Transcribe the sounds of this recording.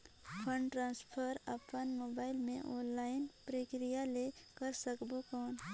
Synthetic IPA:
pʰə̃ɳɖʈɾãːnspʰəɾəpənmoːbaːɪlmḛ̃ʔɔːnlaːɪnpɾeːkɾijalekəɾsəkbokɔːn

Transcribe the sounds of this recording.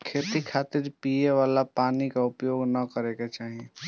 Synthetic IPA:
kʰet̪ikʰat̪ɪɾpieʋaːlapaːnikaʊpjoːɡnəkəɾeket͡ʃaːɦie

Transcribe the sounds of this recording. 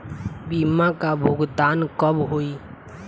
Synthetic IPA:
bimãkabʱʊɡd̪aːnkəbɦoːi

